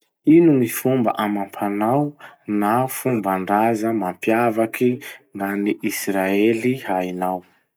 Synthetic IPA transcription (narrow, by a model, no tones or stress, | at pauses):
inumifumba̰ʔamampʰanawnafumbaɳɖ͡ʐazəmampjavakʰiŋɡaniʔisraeliɦainaw